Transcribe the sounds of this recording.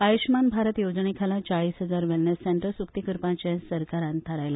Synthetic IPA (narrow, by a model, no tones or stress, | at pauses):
ajuɕmanbʱaɾət̪jod͡zɳekʰalãt͡ɕaɭiːsɦəd͡zaɾʋɛlnesːɛɳʈəɾsukt̪ikəɾpãt͡ɕãsəɾkaɾãnt̪ʰəɾajla